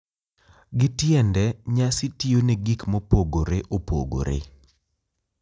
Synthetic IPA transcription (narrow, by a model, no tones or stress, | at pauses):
ɡɪtjɛndɛɲasɪtioneɡikmopoɡoɾeʔopo̰ɡo̰ɾḛ